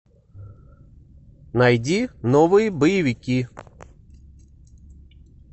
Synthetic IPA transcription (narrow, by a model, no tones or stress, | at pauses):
najdʲinɔvɨjibəjɪʋʲɪkʲi